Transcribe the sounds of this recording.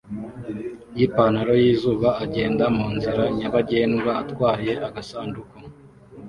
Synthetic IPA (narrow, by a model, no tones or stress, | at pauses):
jipanaɾo̞jiːzuːβaːɟe̞ːndamuːnziɾaɲaβaɟe̞ːnɡwaːtkwaːje̞ʔaɡasaːnduko